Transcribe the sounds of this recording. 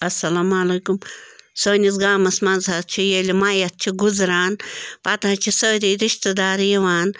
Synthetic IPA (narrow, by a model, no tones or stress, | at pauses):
ɐsːɐlaːmɐleːkumsoːnʲisɡaːmɐsmɐnzat̪̚t͡ʃʰijelʲimɐjɐt̪̚t͡ʃʰiɡuzɾaːnpɐt̪at͡ʃʰisəːɾiːɾiʃt̪ɐd̪aːɾjɐʋaːn